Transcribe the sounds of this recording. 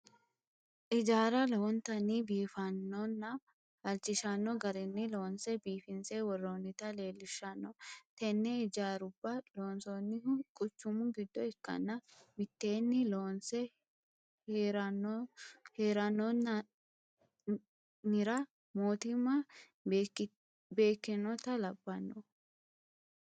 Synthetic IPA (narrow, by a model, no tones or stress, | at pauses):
ʔɪd͡ʒaːɾɐlɔɔnt̪ɐnibiːfɐnːɔnːɐ | hɐlt͡ʃːɪʃɐnːɔɡɐɾɪnːɪloːnsɛbiːfɪnsewɔrːoːnːɪt̪ɐle̞ːlːɪʃːɐnːɔt̪ɛnːɛɪd͡ʒaːɾʊbːɐloːnsɔnːɪkʼʊt͡ʃːʊmʊɡɪd̪ːɔɛkːɐ̰nːɐmɪt̪ːe̞ːnːɪloːnsɛ | ɾɐ | heːɾɐnːɔnːɐ | nɪɾɐ | moːt̪ɪmɐ | be̞ːkːɪnɔt̪ɐlɐbːɐnːɔ